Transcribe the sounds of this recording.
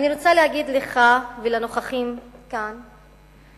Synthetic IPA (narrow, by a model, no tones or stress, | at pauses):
aninot͡salehaɡid̪leχavelano̞χaχimkan